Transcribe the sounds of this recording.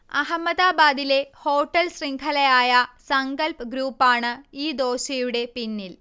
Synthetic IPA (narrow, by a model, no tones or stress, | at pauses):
ɐɦɐmːɐd̪aːbaːd̪ile̞ho̞ːʈːɐlsriŋkʰɐlɐjaːjɐsɐŋɡɐlpɡɾuːpːaːɳɨiːd̪o̞ːɕɐjuɽe̞pinːil